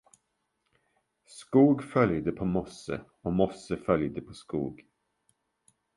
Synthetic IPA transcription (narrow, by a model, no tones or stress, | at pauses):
skuːɡfœljd̪əpʰɔmɔsə̰ | ɔmɔsːəfœljd̪əpʰɔskṵːɡ